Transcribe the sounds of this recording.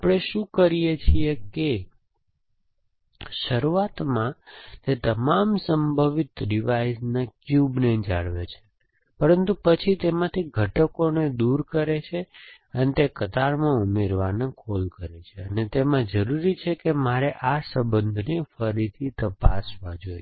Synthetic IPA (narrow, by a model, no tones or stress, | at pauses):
apɽ̃eʃũkəɾijet͡ʃʰieke | ʃəɾuat̪mãt̪et̪əmamsəmbʱəʋit̪ɖiʋaisnakjubned͡ʒa̰ɭʋet͡ʃʰe̥ | pəɾənt̪upət͡ʃʰit̪emãt̪ʰiɡʱəʈəkoned̪uɾkəɾet͡ʃʰe | ənet̪ekət̪aɾmãumeɾʋanekʰolkəɾet͡ʃʰeənet̪emãd͡ʒəɾuɾit͡ʃʰekemaɾeʔasəbənd̪ʱnefəɾit̪ʰit̪əpa̰sʋad͡ʒoj